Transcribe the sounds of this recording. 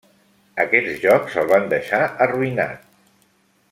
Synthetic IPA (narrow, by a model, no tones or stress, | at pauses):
əkɛzʒɔksəlˠβand̪əʃaəruina̰t̪̚